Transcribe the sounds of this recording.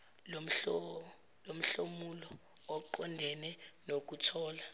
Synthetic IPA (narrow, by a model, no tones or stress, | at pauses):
lom̩ɬomulɔː | ǃɔndʱɛnɛnok̬utʰɔːla